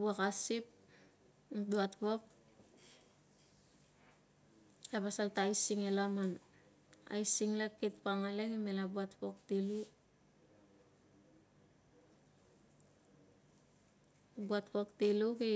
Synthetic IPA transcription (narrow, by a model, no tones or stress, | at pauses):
buakasip̚ | duatpok̚ | apasaltajsiŋelaman | a̰jsiŋlakit̚paŋaleŋimelabuatpok̚tilu | buat̚pok̚tiluki